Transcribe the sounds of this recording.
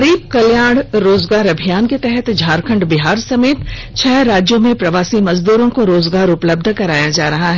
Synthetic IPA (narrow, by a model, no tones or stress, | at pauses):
ɾiːb̚kɐljaːɽ̃ɾoːzɡaːɾɐbʱijaːnket̪ɛɦɛt̪d͡ʒʱaːɾkʰə̃ɳɖbɪɦaːɾsɐmeːt̪ | t͡ʃʰɛːɾaːd͡ʒjomẽpɾɐʋaːsimɐzd̪uːɾõkoɾoːzɡaːɾʊpləb̚d̪ʱkɐɾaːjad͡ʒaːɾɐɦaɦɛː